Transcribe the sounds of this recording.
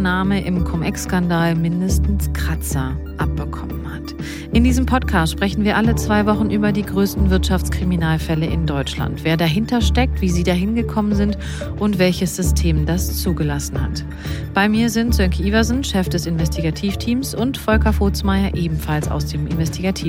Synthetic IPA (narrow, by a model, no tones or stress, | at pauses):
naːməʔɪmkʰɔmʔɛ̰kskandaːlmɪndəstn̩skʁ̥at͡sa | ʔap̚b̥əkʰɔmənhat | ʔɪndiːzəmpʰɔtkʰaːstʃpʁ̥ɛçn̩viːɐʔalət͡sv̥aɪvɔχn̩ʔyːbɐdiːɡʁøːstn̩vɪɐtʃaft͡skʁ̥iminaːlfɛləʔɪndɔʏt͡ʃla̰ntv̥eːɐdaɦɪntɐʃtɛk̚tv̥iːziːdaːɦɪnɡəkʰɔmənzɪnt | ʔʊntv̥ɛlçəsz̥ʏstʰeːmdast͡suːɡəlasn̩ha̰t | b̥aɪmiːɐzɪntz̥œŋkʰiʔivɐznʃɛfd̥ɛsɪnvɛstʰiɡatʰiːftʰiːmsʔʊntfɔlkɐfoːt͡smaɪɐʔeːbm̩falsa̰ʊsd̥eːmʔɪ̰nvɛstʰiɡatʰiːf